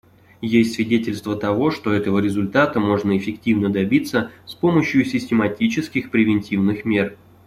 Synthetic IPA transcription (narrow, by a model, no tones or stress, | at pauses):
jesʲtʲsvʲɪdʲetʲɪlʲst̪vət̪ɐvo̞ʂt̪o̞ɛt̪əvəɾʲɪzʊlʲt̪at̪əmo̞ʐnəɪfʲɪktʲivnəd̪ɐbʲit̪sːəspo̞məɕjʊsʲɪsʲtʲɪmɐtʲit͡ɕɪskʲɪxpɾʲɪvʲɪnʲtʲivnɨxmʲe̞r